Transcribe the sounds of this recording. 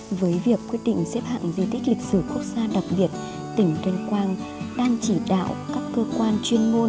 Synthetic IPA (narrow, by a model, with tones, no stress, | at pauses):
vəː˨˦jvi˨˩əkːwi˦˥ət̚ɗḭ˧˨ŋ̟sɛ˦˥p̚ha̰ː˧˨ŋzi˧˩t̪ʰi˦˥k̟̚lï˨˩k̚sɨ˧˩ku˦˥ək̚z̥aː˧ɗa˨˩k͡p̚ɓi˨˩ət̚ | t̪ï˧˩ŋ̟t̪ə˧nkwaː˧n | ɗaː˧ŋt͡ɕi˧˩ɗa̰ː˧˨wkaː˦˥kːəː˧kwaː˧nt͡ɕwi˧ənmo˧n